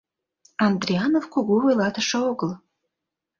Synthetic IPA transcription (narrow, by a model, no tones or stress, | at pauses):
ɑnd̪ɾiɑnofkuɣoojlɑt̪əʃəoɣəl